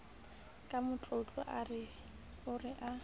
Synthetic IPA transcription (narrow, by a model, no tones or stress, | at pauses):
kʼamʊt͡ɬʼot͡ɬʼɔ̰ʔarɪ | ʊrɪʔa